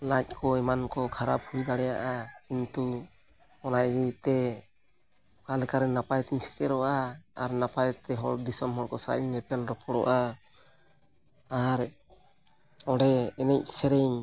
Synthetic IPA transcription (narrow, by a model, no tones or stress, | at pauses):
lac̚kʰɔɛmankɔkʰaɾap̚hujd̪aɽɛjaʔakint̪u | ɔnaʔd̪iit̪ɛ | kalɛkaɾɛnapajt̪iɲsɛ̥k̪ɛɾɔʔaːɾnapajt̪ɛɦɔɽd̪isɔmɦɔɽkɔsaɾa̰ʔiɲɛpɛlɾɔpʰɔɽɔ̰ʔa | ɾ | ɔɽɛɛnɛc̚ˀsɛɾɛɲ